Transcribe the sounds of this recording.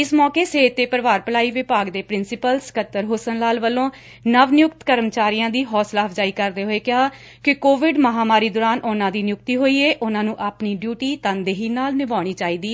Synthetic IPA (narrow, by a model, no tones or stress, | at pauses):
ɪsmɔːkeːseːt̪eːpəɾʋaːɾpəlaːiːʋɪpaːɡd̪eːpɾɪnsɪpəlskət̪ːəɾɦoːsənlaːlʋəlːõː | nəʋnɪjʊkt̪kəɾmt͡ʃaːɾiːjãːd̪iːɦɔːslaːəpd͡ʒaːiːkəɾd̪eːɦoːeːkɪɦaː | kɪkoːʋɪɖməɦaːmaːɾiːd̪oːɾaːnʔʊnãːd̪iːnjʊk̚t̪iːɦoːiːeːʔʊnãːnũːʔapniːɖjuːʈiːt̪ãːnd̪eːɦiːnaːlnɪʋaːɽ̃iːt͡ʃaːiːd̪iː